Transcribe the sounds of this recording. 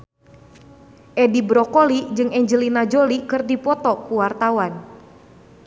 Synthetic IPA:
ʔɛdibɾɔkolid͡ʒɨŋɛɲd͡ʒəlinad͡ʒolikɨrdipɔt̪ɔkuwart̪awan

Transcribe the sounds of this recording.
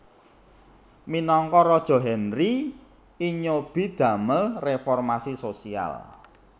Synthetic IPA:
minɔŋkɔɾɔd̥ʒ̥ɔ̤ɦɛnri | iɲob̥i̤d̪̥ä̤məlrefɔrmasisosia̰l

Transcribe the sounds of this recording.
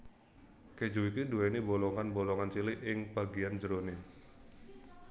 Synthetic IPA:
ked͡ʒoikiduenibolɔŋanbolɔŋant͡ʃiliʔɪŋb̥aɡiand͡ʒəɾone

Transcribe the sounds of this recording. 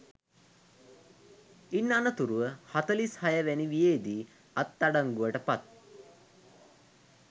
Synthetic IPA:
inːanət̪uɾuʋəhat̪əlishɐjəʋæniʋijeːd̪iː | at̪ːaɖaŋɡuʋəʈəpat̪̚

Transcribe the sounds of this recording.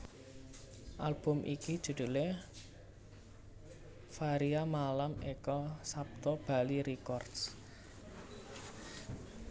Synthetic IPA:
ʔalb̥ʊ̤mʔikid̥ʒ̥ṳd̪̥ṳle | faɾiamalamekɔsap̚t̪ɔb̥a̤liɾikɔrd̥s

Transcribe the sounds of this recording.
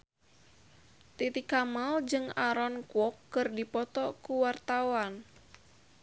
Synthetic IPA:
t̪it̪ikamald͡ʒɨŋaɾɔnkwɔkːɨrdipɔt̪ɔkuwart̪awan

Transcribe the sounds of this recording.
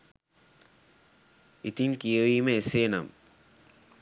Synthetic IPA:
it̪inkijeʋiːmeseːnɐm

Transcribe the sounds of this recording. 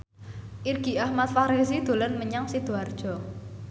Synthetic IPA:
ʔirɡ̥i̤ahmat̪̚faɾezid̪̥o̤lənməɲaŋsid̪̥o̤ard̥ʒ̥ɔ̤

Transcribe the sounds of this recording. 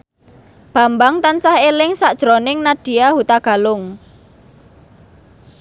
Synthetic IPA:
b̥ä̤mbaŋt̪ansahelɪŋsaʔd̥ʒ̥ɾonɪŋnaɖ̥i̤jahut̪aɡ̥a̤lʊŋ

